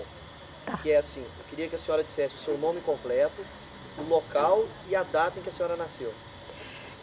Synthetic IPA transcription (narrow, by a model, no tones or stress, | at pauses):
kɪɛasĩewkɪɾiɐkɪɐsẽɲɔɾɐd͡ʒisɛsɪʊsewnõmɪkõmplɛt̪ʊ | nʊlokaw | ɪad̪at̪ɐẽkɪɐsẽɲɔɾɐnasew